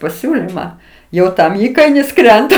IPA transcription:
pɐˈsʲuːlʲɪmɑː ˈjɛʊ ˈtɐm ˈiːkɐɪnʲɪs ˈkrʲɛntɐ

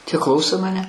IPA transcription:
tʲiɛ ˈklˠɐʊsoː mɐˈnʲɛ

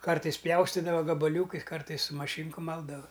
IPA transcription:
ˈkɐrtɐɪs ˈpʲjɛʊsʲtʲɪdɐʋɐ ɡɐbɐˈlʲuːkɐɪs ˈkɐrtɐɪs sʊ mɐˈʃʲiːŋkʊ ˈmɐlˠdɐʋɐ

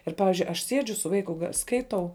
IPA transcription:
ˈɪr ˈpɑːʋʲɪzʲd͡ʒʲʊɪ ɐʃ ˈsʲiɛd͡ʒʲʊ sʊ ˈʋɐɪkʊ ɡɐ ˈskɐɪtɐʊ

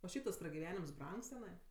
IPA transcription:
oː ˈʃʲɛɪp tɐs prɐɡʲɪˈʋʲæːnʲɪms ˈbrɐŋks tʲɛˈnɐɪ

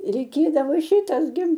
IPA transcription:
rʲɛɪˈkʲeːdɐʋoː ˈʃʲɪtɐs ɡʲɪ

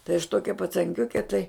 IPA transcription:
tɐɪ ɐʃ ˈtoːkʲɛ pɐt͡sɐŋʲˈkʲʊkʲɛ tɐɪ

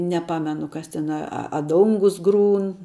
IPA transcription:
nʲɛˈpɑːmʲɛnʊ ˈkɐs ˈtʲɛn ɐ ɐ ˈdoːŋɡʊs ˈɡruːn

